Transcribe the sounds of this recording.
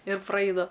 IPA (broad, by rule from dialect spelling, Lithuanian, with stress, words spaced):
ɪr prɐˈɐɪnɐ